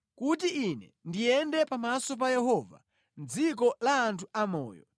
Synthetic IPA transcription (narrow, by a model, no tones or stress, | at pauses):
kut̬iinɛndijɛndɛpamasɔp̬ajɛhɔva̰ | nd͡zik̬ɔlaːntʰuʔamɔ̰ːjɔ